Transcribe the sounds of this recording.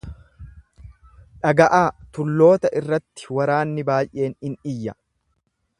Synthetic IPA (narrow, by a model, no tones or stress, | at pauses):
ᶑɐɡɐʔaːt̪ʊlːo̞ːt̪ɐʔɪrːɐt̪ːɪ̥wɐɾaːnːɪbaːjʔe̞ːnɪnɪjːɐ